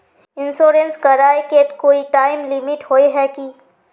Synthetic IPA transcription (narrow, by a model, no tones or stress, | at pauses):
ɪ̃nsoːɾẽnskɐɾaːekeːʈkoːiʈaːɪmlɪmɪʈhoːeɦɛki